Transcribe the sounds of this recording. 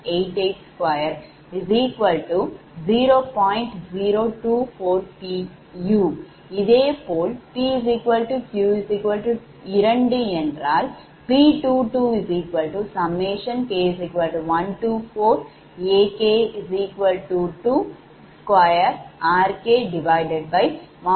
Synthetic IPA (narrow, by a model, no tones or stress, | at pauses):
ejʈeʈskʋaːjɐɾ | iziːkʋɐlʈu | d͡ʒiːɾoːpaːjɳʈd͡ʒiːɾoːʈuːpʰoːɾpi | juː | id̪eːpoːlpiːiziːkʋɐlʈukjuːiziːkʋɐlʈu | iɾɐɳɖieɳɖɾaːl | piːʈuːʈuːiziːkʋɐlʈusɐmːeːʃɐnkeːiziːkʋɐlʈuʋɐnʈuːpʰoːɾ | eːkeːiziːkʋɐlʈuːʈuː | skʋaːjɐɾaːɾkeːɖiʋajɖeɖ̚bɐjma